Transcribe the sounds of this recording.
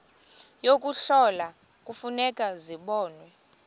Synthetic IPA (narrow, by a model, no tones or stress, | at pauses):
jok̬ʼuɬɔla | kʼufunɛkʼaziɓɔːnwɛ